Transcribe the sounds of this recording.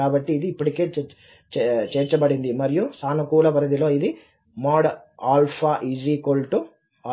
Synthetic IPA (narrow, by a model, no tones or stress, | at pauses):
aːbɐʈːiːd̪iːpːuʈike̞ː | t͡ʃt͡ʃeːɾt͡ʃɐbɐɽind̪imɐɾijusaːnukuːlɐʋɐɾɐd̪ilo̞ːid̪i | maːɽ | aːlpʰaːʔid͡ʒiːkolʈu | aː